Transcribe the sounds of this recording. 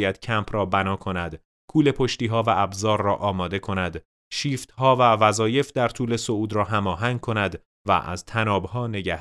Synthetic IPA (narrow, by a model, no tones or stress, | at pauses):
jæd̪̥cʰæmpʰrɒːbænɒːkʰo̞næd̪̥ | kʰuːle̞pʰo̞ʃt̪iːɦɒːvæʔæbzɒːɾːɒːʔɒːmɒːd̪e̞kʰo̞næd̪ | ʃiːft̪hɒːvævæzɒːje̞fd̪æɾt̪ʰuːle̞souːd̪rɒːɦæmɒːɦæŋɡ̚kʰo̞næd̪ | væ̰ʔæ̰z̥t̪ʰænɒːbhɒːne̞ɟæh